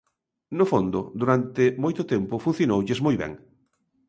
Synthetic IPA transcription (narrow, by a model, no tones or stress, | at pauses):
nofond̪ʊ̰d̪uɾant̪ɪmojt̪ʊt̪ɛmpʊfun̟θjonowʎezmojβɛ̰̃ŋ